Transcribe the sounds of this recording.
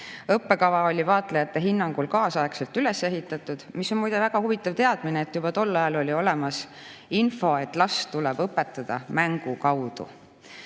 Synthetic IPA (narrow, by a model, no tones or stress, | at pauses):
ɤpːe̞kɑvɑo̞lʲivɑːt̪ˑlejɑt̪ːe̞ɦinːɑŋɡ̥ulkɑːsɑekse̞lt̪yle̞sːe̞ɦit̪ːˑɑt̪ːˑud̪̥misːonmujd̪̥evæɡ̥ɑhuvit̪ːˑɑvt̪e̞ɑd̪̥mineet̪ːjub̥ɑt̪o̞lːɑjɑlo̞lʲio̞le̞mɑs | info̞e̞t̪ːˑlɑst̪ulɛb̥ɤpːˑe̞t̪ːˑɑd̪̥ɑmæŋɡ̥ukɑwd̪̥ṵ